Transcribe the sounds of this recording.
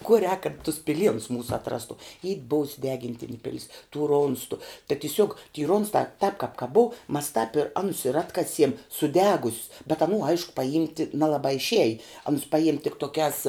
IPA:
kuɔ rʲɛːk kɐt tʊs pʲɪˈlʲiɛnʊs ˈmuːsʊ ɐtˈrɑːstʊ iː ˈbʊʊsʲ sʊˈdʲæːɡʲɪnʲtʲɪnʲeː ˈpʲɪlʲɪs tuː ˈroːnstʊ tɐ tʲɪˈsʲuɔk tʲiː ˈroːnstɑː tɑːp kɑːp kɐ ˈbʊʊ mɐs tɐp ɪ ˈɑːnʊs ɪr ˈɑːtkɐsʲiɛm sʊˈdʲæːɡʊsʲs bʲɛt ɐˈnuː ˈɐɪʃkʊ pɐˈjɪmʲtʲɪ ˈnʲæːlˠɐbɑː ɪʃʲˈiɛjɪ ˈɑːnʊs ˈpɑːjɪmʲ tʲɪk toːˈkʲæːs

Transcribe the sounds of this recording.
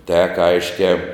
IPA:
tʲɛk ˈɐɪʃʲkʲæː

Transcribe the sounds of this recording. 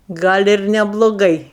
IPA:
ˈɡɐlʲ ɪr nʲɛblˠoːˈɡɐɪ

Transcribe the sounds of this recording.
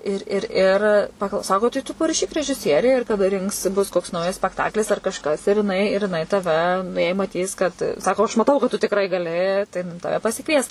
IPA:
ɪr ɪr ˈɪr pɐklˠ ˈsɑːkoː tɐɪ tʊ pɐrɐˈʃʲiːk rʲɛʒʲɪˈsʲiɛrʲɛɪ ɪr kɐˈdɐ ˈrʲɪŋks ˈbʊs koːks ˈnɐʊjɛs sʲpʲɛkˈtɑːklʲɪs ɐr kɐʃˈkɐs ɪr jɪˈnɐɪ ɪr jɪˈnɐɪ tɐˈʋʲɛ nʊ jɛɪ mɐˈtʲiːs kɐt ˈsɑːkoː ɐʃ mɐˈtɐʊ kɐt tʊ tʲɪkˈrɐɪ ɡɐˈlʲɪ tɐɪ ˈtɑːʋʲɛ pɐsʲɪˈkʋʲiɛs

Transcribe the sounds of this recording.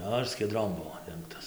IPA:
ˈnʊ ɪr sʲkʲiɛˈdroːm ˈbʊʋoː ˈdʲɛŋktɐs

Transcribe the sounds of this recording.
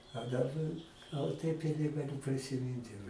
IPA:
ɐ dɐˈbɐ ˈɡɐlˠ tɐɪp ɪ nʲɛɡɐˈlʲʊ pʲrʲɪsʲɪˈmʲɪnt jɛʊ

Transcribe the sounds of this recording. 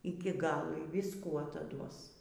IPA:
ɪkʲɪ ˈɡɑːlˠoː iː ʋʲɪsˈkuː ɐtɐˈduɔs

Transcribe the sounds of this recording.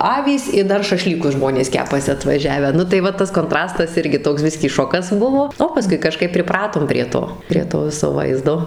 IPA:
ˈɑːʋʲiːs ɪ ˈdɐr ʃɐˈʃʲlʲiːkʊs ˈʒmoːnʲeːs ˈkʲæːpɐsʲɪ ɐtʋɐˈʒʲæːʋʲæː ˈnʊ tɐɪ ˈʋɐ ˈtɐs koːnˈtrɑːstɐs ˈɪrʲɡʲɪ ˈtoːks ˈbʲɪsʲkʲiː ˈʃoːkɐs ˈbʊʋoː oː pɐˈskʊɪ kɐˈʃkɐɪp pʲrʲɪˈprɑːtoːm pʲrʲiɛ ˈtoː pʲrʲiɛ ˈtoː ˈʋʲɪsoː ˈʋɐɪzdoː

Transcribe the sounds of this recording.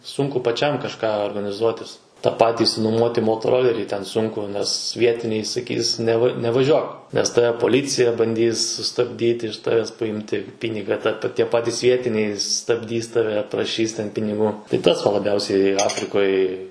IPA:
ˈsʊŋkʊ pɐˈt͡ʃʲɛm kɐʃˈkɑː oːrɡɐnʲɪˈzuɔtʲɪs tɐ ˈpɑːtʲɪ ɪʃʲsʲɪnʊˈmuɔtʲɪ moːtoːˈroːlʲɛrʲiː tʲɛn ˈsʊŋkʊ nʲɛs ˈʋʲiɛtʲɪnʲɛɪ sɐˈkʲiːs nʲɛˈʋɐ nʲɛʋɐˈʒʲuɔk ˈnʲɛs ˈtɑːʋʲɛ poːˈlʲiːt͡sʲɪjɛ bɐnʲˈdʲiːs sʊstɐbʲˈdʲiːtʲɪ ɪʃ tɐʋʲɛs pɐˈjɪmʲtʲɪ ˈpʲiːnʲɪɡɐ tɐ pɐ ˈtʲiɛ ˈpɑːtʲɪs ˈʋʲiɛtʲɪnʲɛɪ stɐbʲˈdʲiːs tɐˈʋʲɛ prɐˈʃʲiːs pʲɪnʲɪˈɡuː tʲɪ ˈtɐs ʋɐ lˠɐˈbʲɛʊsʲɛɪ ˈɑːfʲrʲɪkoːj

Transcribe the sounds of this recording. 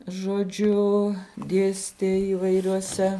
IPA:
ʒoːˈd͡ʒʲʊ ˈdʲeːsʲtʲeː iːʋɐɪrʲoːˈsʲɛ

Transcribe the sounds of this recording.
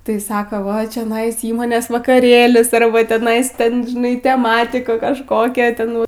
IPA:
tɐɪ ˈsɑːkoː ʋɐ t͡ʃʲoːˈnɐɪs ˈiːmoːnʲeːs ʋɐkɐˈrʲeːlʲɪs ɐrˈbɐ tʲɛˈnɐɪs ˈtʲɛn ʒʲɪˈnɐɪ tʲɛˈmɑːtʲɪkʊ kɐʃˈkoːkʲɛ ˈtʲɛn

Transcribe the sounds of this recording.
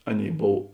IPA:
ˈɑːˌnʲeːɪ ˈboːw

